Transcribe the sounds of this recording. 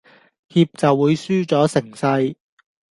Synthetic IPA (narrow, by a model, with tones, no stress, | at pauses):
hiː˧p̚t͡sɐ˨wːuː˨˧jsyː˥t͡sɔː˨˥sɪ˨˩ŋsɐ˧j